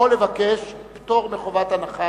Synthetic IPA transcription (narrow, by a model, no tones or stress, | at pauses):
olːevakeʃpt̪o̞ʁmeχovat̪anaχa